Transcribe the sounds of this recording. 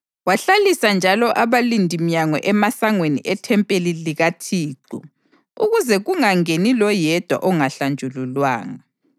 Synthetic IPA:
waɬalisand͡ʒʱalɔʔaβalindʱimiɲaŋɔ̰ʔɛmasaŋweniʔɛtʰɛmpʼeliliɣatʰiːǃṵ | ṵɣuzɛɣuŋaŋenilɔjɛd̥ʱwa̰ʔɔŋaɬand͡ʒʱululwa̰ːŋa

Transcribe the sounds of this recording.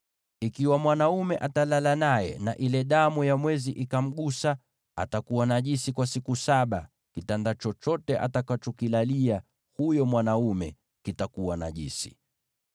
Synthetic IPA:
ikiwamwanaumɛʔatalalanajɛ̰naʔilɛɗamujamwɛziʔikam̩ɠusa | a̰takuwanaʄisikwasikusaɓa | kitandat͡ʃɔt͡ʃɔtɛʔa̰takat͡ʃɔkilalia | hujɔmwanaumɛ̰ | kitakuwana̰ʄḭsi̥

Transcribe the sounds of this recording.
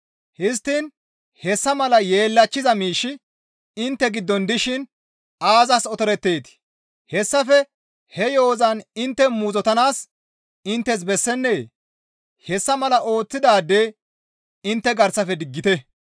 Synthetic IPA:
hɪs̬t̪ːin | hɛsːɐmɐlɐje̞ːlːɐt͡ʃːɪzɐmiːʃːɪ | ɪnt̪ːɛɡɪd̪ːɔnd̪ɪʃɪn | aːzɐsɔt̪ɔɾɛt̪ːe̞ːt̪ɪ̥ | hɛsːɐfɛ | hɛjo̞ːzɐnɪnt̪ːɛmuːzɔt̪ɐnaːs | ɪnt̪ːɛs̬bɛsːɛnːeː | hɛsːɐmɐlɐʔo̞ːt͡sːɪd̪aːd̪ːe̞ː | ɪnt̪ːɛɡɐɾsɐfɛd̪ɪɡːɪt̪ɛ

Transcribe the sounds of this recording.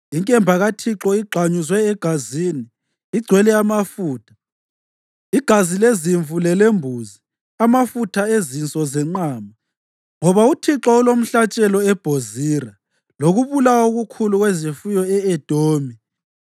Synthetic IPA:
iŋkʼɛmbʱaɣatʰiǁɔiɡ͡ǃʱaɲuzwɛːɡ̥ʱaziːniː | ɡ͡ǀʱwɛlɛamafuːtʰḁ | iɡ̥ʱazileziɱvulɛlembʱuːzi | amafutʰaezint͡sʼɔzɛŋ͡ǃaːma | ŋɔβautʰiǁɔulom̩ɬat͡ʃʼɛlɔɛb̥ʱoziːra | loɣuβulawauɣukʰuluɣwezifujɔɛɛd̥ʱoːmi

